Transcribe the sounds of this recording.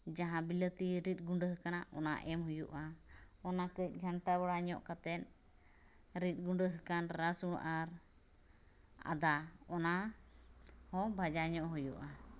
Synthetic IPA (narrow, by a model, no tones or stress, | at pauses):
d͡ʒaɦãbilət̪iɾit̪̚ˀɡuɳɖəɦəkanaʔɔ̰na̰ʔɛmhujuʔa | ɔnakəc̚ˀɡʱanʈabaɽaɲɔ̰ʔkat̪ɛt̪̚ | ɾit̪̚ˀɡuɳɖəɦəkanɾasuɽʔaɾ | a̰d̪a | ɔna | hɔ̃bʱad͡ʒaɲɔʔɦujuʔa